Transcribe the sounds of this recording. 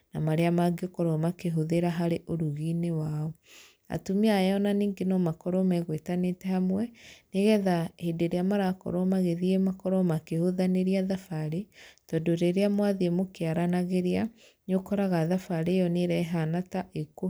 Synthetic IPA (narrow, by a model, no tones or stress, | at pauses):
namaɾeamaɡɔkɔɾɔmakeɦoðeɾaɦaɾeʔoɾuɣinewaɔ | a̰tumeajɔnaniːŋɡenɔmakɔɾɔmaɣwetanetɛhamwɛneɣɛðahedeɾeamaɾakɔ̰ɾɔmaɣeðiemakɔɾɔmakehoðaneɾiaðafaɾetɔdoɾeɾeamwaðemokeaɾanaɣeɾea | nokɔɾaɣaðafaɾejɔneɾɛɦanataʔeko